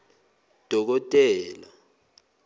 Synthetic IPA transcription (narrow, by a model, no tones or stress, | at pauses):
d̥ʱɔk̬ɔtʼɛːla